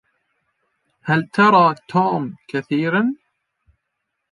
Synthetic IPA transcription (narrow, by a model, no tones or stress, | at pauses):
halt̪ɑɾˤɑːt̪ʰoːmkaθiːɾan